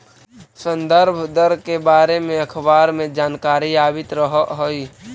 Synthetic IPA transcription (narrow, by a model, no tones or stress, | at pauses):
sə̃nd̪əɾbʱd̪əɾkebaːɾemẽɐkʰbaːɾmẽd͡ʒaːnkaːɾijaːbɪt̪ɾəɦɦoi